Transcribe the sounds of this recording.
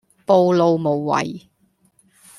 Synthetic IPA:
po˧wlo˧wmo˨˩wːɐ̰˨˩j

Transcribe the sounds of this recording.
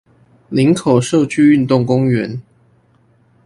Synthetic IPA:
li˨˦ŋkʰo˨˩ʊʂo˥˨˧ʊt͡ɕʰy˥˧y˥˧nt̪ʊ˥˩ŋkʊ˦˥ŋɥɛ˨˦n

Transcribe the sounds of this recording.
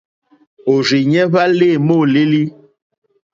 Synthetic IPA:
o˨ri˨ɲɛ˦βa˦leː˦˨mo˦˨le˦li˦

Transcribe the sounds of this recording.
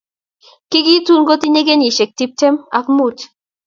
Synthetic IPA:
ki˦ɡi˦t̪u˦nɡo˦t̪i˦ne˦ɡe˦ni˨ʃe˨k̚t̪i˦p̚te˦ma˨kmu˦˨t

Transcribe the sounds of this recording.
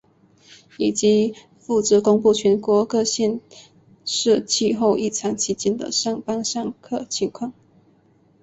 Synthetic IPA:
i˨˩t͡ɕi˧˥˦ | fu˥˩t͡s̩˨˥kʊ˥ŋpu˥˩t͡ɕʰɥɛ˧˥nkwɔ˧˥kɤ˥˧ɕjɛ˥˧n | ʂɻ̩˥˧t͡ɕʰi˥˧xo˥˧ʊʔi˥˩t͡sʰɑ˧˥ŋt͡ɕʰi˧˥t͡ɕɛ˥nd̪ə̰˨ʂɑ˥˩ŋpa˥ŋʂɑ˥˧ŋkʰɤ˥˩t͡ɕʰi˧˥ŋkʰwɑ˥˩ŋ

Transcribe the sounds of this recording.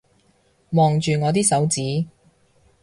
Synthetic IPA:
mɔː˨ŋt͡ʃyː˨ŋɔː˨˧t̪̬iː˥sɐ˨˥wt͡siː˨˥

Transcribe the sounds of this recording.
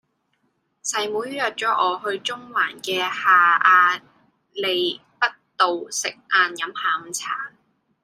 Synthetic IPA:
sɐ˨˩jmuː˨˥jy˥jœː˨t̚t͡ʃɔː˨˥ʔɔː˨˧ɦɵ˧ɥt͡sʊ˥ŋwaː˨˩nkɛː˧haː˨˩ʔaː˧ | le˨˧j | pɐ˥t̚t̪o˨wsɪ˨k̚ʔaː˧njɐ˨˥mhaː˨˩m̩˨t͡sʰaː˨˩ŋ

